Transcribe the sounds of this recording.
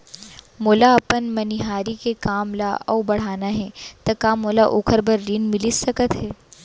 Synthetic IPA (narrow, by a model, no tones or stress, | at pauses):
moːlaɐpənmɐnɪɦaːɾikekaːmlaɔ̰ːwbɐɽ̤aːnaɦɛːt̪ɐkaːmoːlaʔoːkʰəɾbɐɾːiːnmɪlɪsɐkət̪ɦɛː